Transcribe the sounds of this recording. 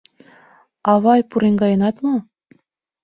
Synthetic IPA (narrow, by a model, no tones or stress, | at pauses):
ɑβɑjpuɾeŋɡɑjɤ̆nɑt̪mo